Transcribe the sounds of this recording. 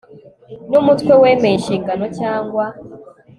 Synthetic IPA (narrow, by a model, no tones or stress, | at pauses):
numutkwe̞we̞ːmeiʃiːŋɡano̞caːŋɡwa